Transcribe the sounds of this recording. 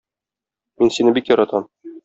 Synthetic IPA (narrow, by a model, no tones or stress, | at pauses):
minsinɘbikjɒɾɑt̪ɑm